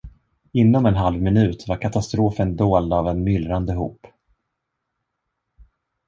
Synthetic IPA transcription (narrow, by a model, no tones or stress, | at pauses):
ɪnːɔmɛnɦalvmɪnʉ̟ːt̪vaɾkʰat̪ast̪ɾoːfənd̪oːld̪avɛnmʏlɾand̪əɦṵːp